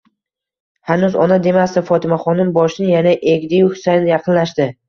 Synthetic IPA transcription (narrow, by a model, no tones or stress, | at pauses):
hanuzɒ̰nad̪e̞masd̪ɪfɒt̪ʰɪmaχɒnɪnbɒʃɪnɪjanaʔe̞ɡʲd̪ɪjʊhsanjɑqʰɨnlaʃd̪ɪ